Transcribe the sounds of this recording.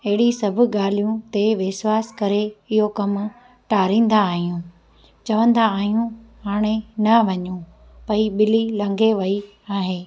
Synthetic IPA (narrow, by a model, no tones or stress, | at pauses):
ɐɦɪɽisɐbʱʊ̆ɠaːl̤ijũt̪eʋɪswaːskɐɾeɪɦokɐm | ʈaːɾĩːn̆d̪aːɦijũ | t͡ɕɐʋə̃nd̪aːɦijũɦaːɽ̃enɐʋɐɲũ | pɐiɓɪlilɐ̃ŋɡʱeʋɐi | aːɦeː